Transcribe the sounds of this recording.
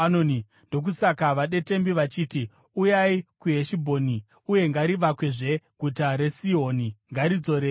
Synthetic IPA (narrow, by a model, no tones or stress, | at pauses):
anoni | ndo̞k̬usakaʋaɗe̞te̞mbiʋat͡ʃiːti | ujaikuɦe̞ʃibʱo̞ːni | uje̞ŋɡaɾiʋakwe̞ʐe̞ɡ̥ʱutaɾe̞siɦo̞ːniŋɡaɾid͡zo̞ɾe